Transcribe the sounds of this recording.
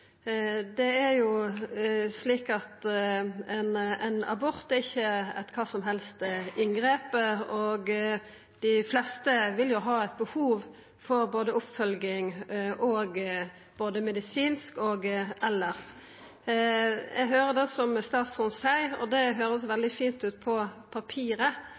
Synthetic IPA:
d̪ɛæɾjʊ | sliːkɑt̪ | ɛnɛɪnɑ̰bɔʁt̪ɛɾɪçːəɛ̰t̪kʰɑːsɔmɦɛlst̪ɪŋɡɾeːpəɔɡ | d̪̥ɪflɛst̪əʋɪljʊɦɑːæɪt̪̚bəhuːʋ | fɔɾboːd̪əʊpfœlɡɪŋʔɔːɡ | b̥oːd̪əmɛd̪ɪsiːnskoːɡʔɛlːəʁs | ʔɛ̰ɡɦøːɾəd̪ɛsɔmst̪ɑːt̪sɔnsæɪɔ̰d̪ɛɦøːɾəsʋɛld̪ɪfiːnt̪ʉːt̪̚pʰɔpʰɑpʰiːɾə

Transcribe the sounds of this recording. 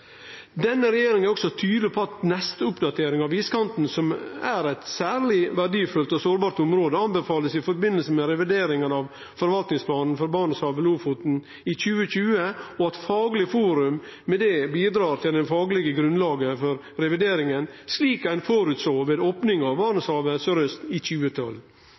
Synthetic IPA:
d̪ɛnːəɾɛjeːɾɪŋnæɾɔksɔt̪ʰyːd̪lɪpʰɔɑt̪nɛst̪əʊpd̪ɑt̪ʰeːɾɪŋɑʋiːskɑnt̪n̩sɔmæɾæɪt̪sæːɾlɪʋæɖiːfʉlt̪ɔsoːɾbɑːɾʈ̪ʊmɾoːd̪əɑnbɛfɑːləsɪfɔɾbɪnːəlsəmɛɾɛʋɪd̪eːɾɪŋənɑʋ | fɔɾʋɑlt̪nɪŋspʰlɑːnn̩fɔɾbɑːɳəsɑʋəluːfuːt̪n̩ | ɪçʉːəçʉːəɔɑt̪fɑːɡlɪfuːɾʉmːɛd̪ɛbiːd̪ɾɑːɾt̪ʰɪld̪ɛnfɑːɡlɪɡəɡɾʉnlɑːɡəfɔɾ | ɾɛʋɪd̪eːɾɪŋənsliːkæɪnfɔɾʉt̪soːʋeːd̪oːpnɪŋɑʋbɑːɳəshɑːʋəsɔɾœst̪ɪçʉːət̪ʰɔ̰l

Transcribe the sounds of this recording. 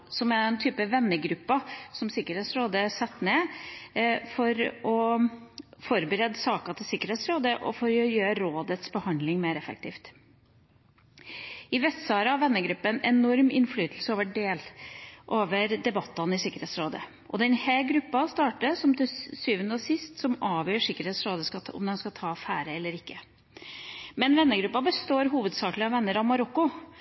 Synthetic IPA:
sɔmɛɛnt̪ʰyːpəʋɛnːəɡɾʉpːɑsɔmsɪkəɾheːt̪sɾoːd̪əsɛt̪ːneː | fɔɾɔ | fɔɾbəɾɛd̪sɑːkɑt̪ʰɪlsɪkːəɾheːt̪sɾoːd̪əʔɔ̰fɔɾjøːɾoːd̪ət̪sbəhɑnd̪lɪŋmeːɾɛfɛ̰k̚t̪ʰiːft̪ | ɪʋɛst̪sɑːɾəɑʋɛnːəɡɾʉpːəɛnɛnɔɾmɪ̰nflyːt̪lsəɔːʋəɖeːlʔoːʋəɾd̪ɛbɑt̪ːɑnɪʂɪkːəɾheːt̪sɾoːd̪ə̰ | ʔɔd̪ɛnhɛːɡɾʉpːɑst̪ɑːʈəsɔmt̪ʰɪsyːʋənəɔsɪst̪sɔmɑːʋjøːʂɪkːəɾheːt̪sɾoːd̪əskɑɔ̰md̪ɛnskɑt̪ʰɑːfæːɾəɛlːəɾɪkːə | mɛnʋɛnːəɡɾʉpːɑbəst̪oːɾɦuːʋəd̪sɑːklɪɑʋɛnːəɾɑmɑɾɔkːʊ

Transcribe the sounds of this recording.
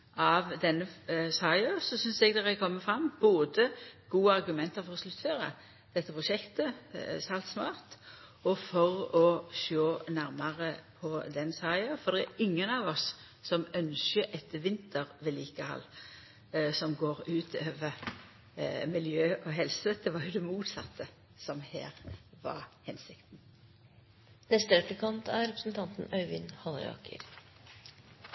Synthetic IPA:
ʔɑʋd̪ɛnːəsɑɪɑsɔsʏnsɛɡd̪ɛʁækʰɔmːəfɾɑmːboːd̪əɡ̥uːəɑʁɡʉmɛnt̪əɾfɔʁɔslʉt̪ːføːɾə̰ | d̪̥ɛt̪ːəpʰʁʊʃɛkt̪əsɑlt̪smɑ̰ːɾt̪ | ɔfɔʁɔʃoːnæɾmɑʁəpʰɔd̪ɛnsɑɪɑfɔd̪ɛæɪŋːənɑʋɔs | sɔmœnsəʔɛt̪əʋɪnt̪ʰəʁʋeːliːkəhɑ̰lː | sɔmɡoːʁʉːt̪ʰøːʋəɾ | mɪljøːʔɔɦɛlsəd̪̥ɛʋɑɾjʊd̪ɛmuːt̪sɑt̪ʰːə | sɔmhḛːɾʋɑ̰ɾhɛnsɪkt̪n̩ | nɛst̪əɾɛpləkʰɑnt̪ʰæɾɾɛpɾə̥sn̩t̪ʰɑnt̪n̩œʏʋɪ̰nhɑl̰ɾɑ̰ːkə̰ɾ

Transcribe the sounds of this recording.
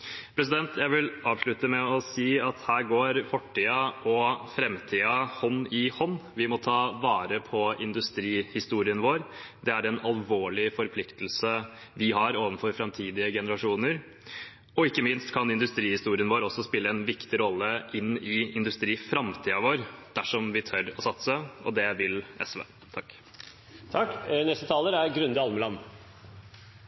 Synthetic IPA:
pʰɾɛs̬ɪd̪ɛnt̪ʰjæɪʋɪlɑːʋʂɭʉt̪əmɛɔsiːɑt̪hæːɾɡoːɾfɔʈʰːiːəʔɔfɾɛmt̪ʰiːɑhɔnːɪhɔnːʋɪmɔt̪ʰɑːʋɑːɾəpʰɔɪnd̪ʉst̪ɾiːhɪst̪uːɾɪənʋoːɾd̪ɛæɾɛnɑlʋoːɭɪfɔɾpʰlɪkt̪əl̩səʋɪɦɑɾoːʋənfɔɾfɾɛmt̪ʰiːd̪ɪəɡɛnəɾɑʂuːnəɾ | ɔɪkːəmɪnst̪kʰɑnɪnd̪ʉst̪ɾiːhɪst̪uːɾɪənʋoːɾɔsːɔspɪlːəɛnʋɪkt̪ɪɾɔlːəʔɪnːɪɪnd̪ʉst̪ɾiːfɾɑmt̪ʰiːɑʋoːɾd̪̥æʂɔmʋɪt̪ʰœɾɔsɑt̪səɔd̪ɛʋɪlɛ̰sʋḛː | t̪ʰɑkː | t̪ʰɑkːnɛst̪ət̪ʰɑːləɾæɾɡɾʉnd̪əɑlməlɑn

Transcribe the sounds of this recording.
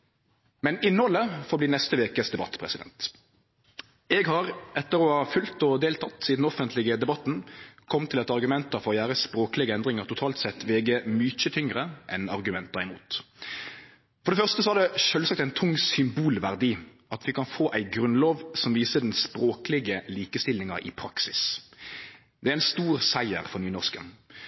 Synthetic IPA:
mɛnɪnɔlːəfɔʁbliːnɛst̪əʋeːkəsd̪ɛbɑ̰t̪ːpʰʁɛsɪd̪ɛ̰nt̪ | ɛːɡhɑʁɛt̪ːəɾɔhɑfʉlt̪ɔd̪eːlt̪ʰɑt̪ːsiːd̪n̩ɔfənt̪ʰlɪɡəd̪ɛbɑt̪n̩kʰɔmt̪ʰɪlɛt̪ɑʁɡʉmɛnt̪ɑfɔʁɔjæːʁəspɾoːklɪɡəɛnd̪ʁɪŋəɾt̪ʊt̪ʰɑːlt̪sɛt̪ːʋeːɡəmyc͡çət̪ʰʏŋʁəʔɛnɑʁɡʉmɛnt̪̚d̪ɑːɪmṵːt̪ | fɔɾd̪ɛfœʁʂt̪əsɔæɾd̪ɛʃœlsɑk̚t̪æɪnt̪ʰʊŋsʏmbuːlʋæʁd̪iːʔɑt̪ʋɪkʰɑnfoːʔæɪɡɾʉnloːʋsɔmʋiːsəd̪ɛnspɾoːklɪɡəliːkəst̪ɪlːɪŋɑɪ̰pʰɾɑksɪs | d̪ɛæɾɪnst̪uːʁsæɪə̰ʁfɔnyːnɔʁskə̰n

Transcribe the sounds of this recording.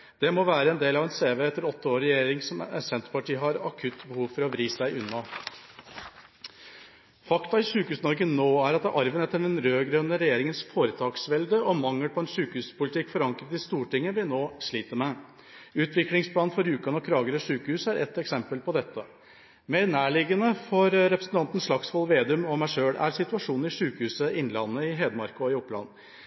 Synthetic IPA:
d̪̥ɛmɔʋæːɾəɛnd̪eːlɑʋɛnseːʋeːɛt̪ːəɾɔt̪ːəoːɾːɛjeːɾɪŋsɔmɛ̰sɛnt̪əpɑʈiːɦɑɾɑ̰kʰʉt̪ːbəhuːʋfɔɾɔʋɾiːsæɪʔʉnːɑ | fɑkt̪ɑɪʂʉːkəhʉːsnɔɾɡənoːæɾɑt̪d̪ɛʔɑɾʋənɛt̪ːəɖɛnɾøːɡɾœnːəɾɛjeːɾɪŋənsfoːɾət̪ʰɑːksʋɛld̪əɔmɑŋːəpʰɔɛnʂʉːkəhʉːspʊlɪt̪ʰɪkːfɔɾɑŋkɾət̪ɪst̪uːʈɪŋːəʋɪnoːʂɭiːt̪əmɛ | ʉːt̪ʰʋɪklɪŋspʰlɑːnfɔɾʉːkɑnɔkʰɾɑːɡəɾəʂʉːkəhʉːsəæɾʔɛ̰t̪ːɛksɛmpəlpɔd̪ɛt̪ːə | meːɾnæːɭɪɡənəfɔɾɾɛpɾəsn̩t̪ʰɑnt̪ən̩sʂɭɑksfɔlʋeːd̪ʉmɔmæɪʂøːɽæ̰ɾsɪt̪ʉɑʂuːnn̩ɪʂʉːkəhʉːsəɪnlɑnːəɪɦeːd̪əmɑɾkʊɔɪɔpːlɑ̰nː

